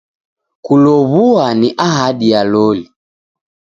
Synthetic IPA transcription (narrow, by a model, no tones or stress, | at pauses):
kulɔβuaniʔaɦaɗialɔli